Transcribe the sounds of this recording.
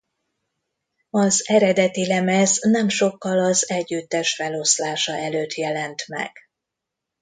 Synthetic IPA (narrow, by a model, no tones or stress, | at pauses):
ɒzɛɾɛd̪ɛt̪ilɛmɛznɛmʃo̞kːɒlɒzɛɟːyt̪ːɛʃfɛlo̞slaːʃɒʔɛløːt̪jɛlɛnt̪mɛ̰ɡ̥